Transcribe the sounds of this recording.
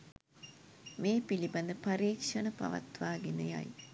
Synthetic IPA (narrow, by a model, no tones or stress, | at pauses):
meːpilibɐnd̪əpɐɾiːkʂɐnəpɐ̰ʋɐ̰t̪ʋaːɡinɐja̰j